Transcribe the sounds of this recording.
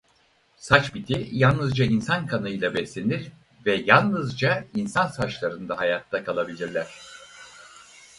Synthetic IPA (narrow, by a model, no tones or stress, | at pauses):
sat͡ʃbit̪ʰijalˠnɯzd͡ʒainsankʰanaɯlˠabɛslʲeniɾ | vɛjalˠnɯzd͡ʒainsansat͡ʃlˠaɾɯnd̪aɦajat̪ʰːakʰalˠabilʲiɾlʲæɾ̝̥